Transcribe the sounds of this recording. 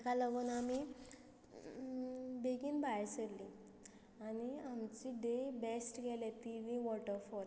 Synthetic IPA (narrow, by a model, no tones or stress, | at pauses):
kaləɡənami | beɡiːnbajsəɾli | aniamt͡ɕiɖebesʈɡɛlet̪iʋĩʋɔʈəɾfɔɾ